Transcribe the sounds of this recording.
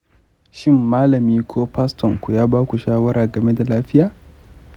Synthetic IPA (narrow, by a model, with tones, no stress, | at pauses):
ʃɪ˦mːaː˦lɐ˨miː˦kʷʰoː˦ɸa˦stɔ˨ŋkʷu˨jaː˦baː˦kʷu˨ʃaː˦wɐ˦ɾaː˨ɡɐ˨me˦da˨laː˦ɸɪ˦jaː˨